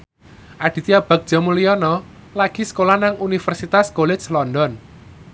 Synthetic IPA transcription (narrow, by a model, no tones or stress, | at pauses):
ʔaɖ̥i̤t̪iab̥a̤k̚dʒ̥a̤muliɔnɔ | laɡ̥i̤skolahnaŋunifɛrsit̪askolɪt͡ʃlɔndɔn